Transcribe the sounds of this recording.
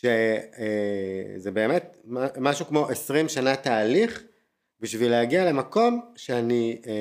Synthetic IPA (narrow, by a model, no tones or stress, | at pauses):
ʃeezebe̞ːme̞t̪̚mamaʃukmo̞ʔesʁimʃanat̪aːliχ | biʃvileaɡiale̞mako̞mʃeani